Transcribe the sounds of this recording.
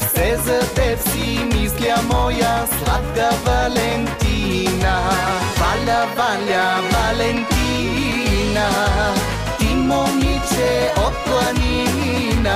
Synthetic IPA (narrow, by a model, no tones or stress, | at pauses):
sezəd̪eskimisljamojasla̰t̪̚ɡavalent̪inabalabaljabalent̪i | na | t̪imːomit͡ʃʰeɔt̪wəni | na